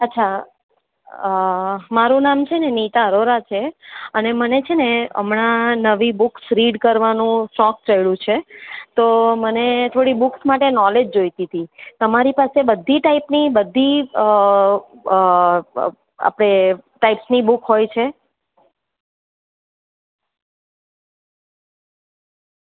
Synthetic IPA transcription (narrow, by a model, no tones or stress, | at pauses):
ətːʃʰa | maɾũnamt͡ʃʰenenit̪aɾoɾat͡ʃʰeənemənet͡ʃʰeneə̰mɳanəʋibʊksɾiɖkəɾʋanũsɔk̚t͡ʃəjɭũt͡ʃʰet̪omənet̪ʰoɽibʊksmaʈenɔled͡ʒd͡ʒojt̪it̪ʰit̪əmaɾipasebəd̪ʱːiʈaipnibəd̪ʱːiə | a̰pɽ̃eʈaipsnibukɦojt͡ʃʰe